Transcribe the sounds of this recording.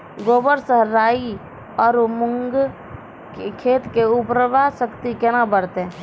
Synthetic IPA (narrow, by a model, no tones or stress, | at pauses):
ɡoːbəɾsəɦɾːaːi | ɔːɾmʊŋɡ | kekʰeːt̪keʊpɾəʋasəkt̪ikenabəɽt̪e